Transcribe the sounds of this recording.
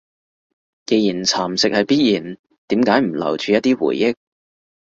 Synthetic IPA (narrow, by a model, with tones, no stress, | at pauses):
ke˨˧jiː˨˩nt͡sʰaː˨˩msɪ˨k̚hɐ˨˧jpiː˥t̚jiː˨˩n | t̪iː˨˥mkaː˨˥jm̩˨˩lɐ̰˨˩wt͡ʃyː˨˧jɐ˥t̪̚ːiː˥wṵː˨˩jːɪ˥k̚